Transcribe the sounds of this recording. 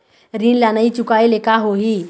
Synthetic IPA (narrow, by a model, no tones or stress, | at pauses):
ɾinlanait͡ʃukaelekaɦoɦi